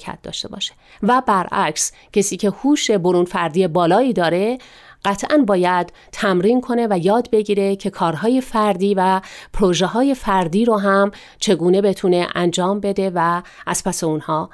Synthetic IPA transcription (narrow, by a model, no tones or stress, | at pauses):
kʰæ̰t̪̚d̪ɒ̰ːʃt̪e̞̰bɒ̰ːʃe̥ | væbæɾʔæ̰ks | cʰesiːcʰe̞huːʃe̞boɾuːnfæɾd̪ije̞bɒːlɒːiːd̪ɒːɾe̞ | ɢ̥æt̪ʰʔænbɒːjæd̪̥ | t̪ʰæmɾiːnkʰo̞ne̞væjɒːd̪be̞ɟiːɾe̞cʰe̞kʰɒːɾɦɒːje̞fæɾd̪iːvæpʰɾoʒeɦɒːje̞fæɾd̪iːɾoɦæm | t͡ʃʰe̞ɡuːne̞be̞t̪ʰune̞ʔænd͡ʒɒːmbe̞d̪e̞væʔæz̥pʰæseunhɒː